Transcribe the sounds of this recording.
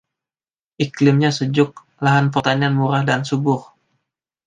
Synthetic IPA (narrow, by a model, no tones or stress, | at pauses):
ʔiklɪmɲasəd͡ʒʊk̚ | laɦanpərt̪anianmuɾahdansubʊr